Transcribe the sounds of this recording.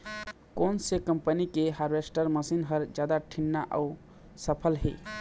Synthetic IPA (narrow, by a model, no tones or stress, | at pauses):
konsekəmpənikeɦaɾbesʈəɾməsinɦəɾd͡ʒjad̪aʈʰinːaʔa̰u | səpʰəlɦḛ